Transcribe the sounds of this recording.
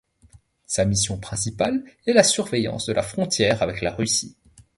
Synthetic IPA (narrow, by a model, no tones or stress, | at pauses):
samisjɔ̃pχɛ̃sipalɛlasyʁvejɑ̰̃sd̪əlʔa̰fχɔ̃t̪jɛʁavɛklaʁysḭ